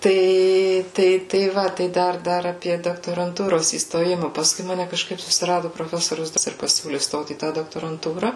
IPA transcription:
ˈtɐɪ ˈtɐɪ tɐɪ ˈʋɐ tɐɪ ˈdɐr ˈdɐr ɐˈpʲiɛ doːktoːrɐnˈtuːroːs iːstoːˈjɪmɐ pɐsˈkʊɪ ˈmɑːnʲɛ kɐʃˈkɐɪp sʊsʲɪˈrɑːdʊ proːˈfʲæːsoːrʲʊs ɪr pɐˈsʲuːlʲɪ ˈstoːt iː ˈtɑː doːktoːrɐnˈtuːrɐ

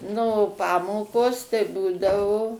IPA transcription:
ˈnʊ ˈpɑːmoːkoːs tɐɪ ˈbuːdɐʋoː

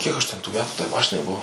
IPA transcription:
ˈkʲiɛk ɐʃ ˈtʲɛn tuː ˈmʲæːtuː tɐɪ ˈmɑːʃʲɪnɐɪ ˈbʊʋoː

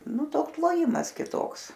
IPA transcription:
ˈnʊ ˈtoːks lˠoːˈjɪmɐs kʲɪˈtoːks

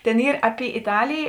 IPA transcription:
ˈtʲeːn ˈiːr ˈɑːˌpʲɪ ɪˈtɑːlʲeːjeː

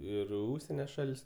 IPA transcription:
ˈɪr ɪ ˈʊʃʲsʲiɛnʲoː ˈʃɐlʲsʲ

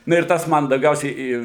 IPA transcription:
ˈnʊ ɪr ˈtɐs ˈmɐn dɐʊˈɡʲɛʊsʲɛɪ iː

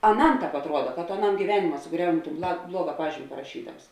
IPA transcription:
ɐˈnɐm ˈtɑːp ɐtˈruɔdɐ kɐ toː ɐˈnɐm ɡʲiːˈʋʲæːnʲɪmɐ sʊˈɡrʲɛʊnʲɪ toːn blˠɐ ˈblˠuɔɡɐ ˈpɑːʒʲiːmʲɪ pɐrɐˈʃʲiːdɐms

